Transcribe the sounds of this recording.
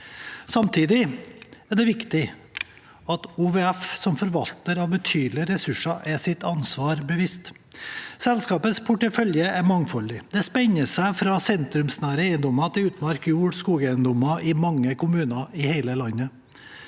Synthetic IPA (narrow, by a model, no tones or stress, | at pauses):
sɑmt̪ʰiːd̪ɪæɖɛʋɪkt̪ɪ | ɑt̪uʋeːæfsɔmfɔɾʋɑlt̪əɾɑʋbət̪ʰyːd̪l̩ɪɾɛsʉʂɑʔɛsɪt̪ɑnsʋɑːɾbəʋɪst̪ | sɛlskɑːpəspʰʊʈəfœljəʔæɾmɑŋfɔlːɪd̪ɛspɛɲəsæɪfɾɑsɛnt̪ɾʉmsnæːɾəeɪənd̪ɔmɑt̪ʰɪlʉːt̪mɑɾkjuːɽskuːɡɛæɪənd̪ɔmɑʔɪmɑŋːəkʰʊmʉːnɑɪheɪləlɑnːə